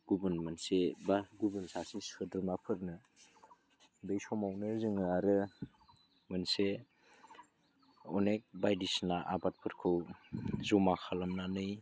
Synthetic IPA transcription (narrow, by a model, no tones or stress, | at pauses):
ɡ̥ubɯnmɯnsebaɡubəlsasisɯdɾɯmapʰɯɾnɯ | bejsɔmawnɯzɯŋɯaɾɯ | mɯnse | ɔnek̚bajdisnaʔabat̚pʰɯɾkʰɯwzowmakʰalamnanɯj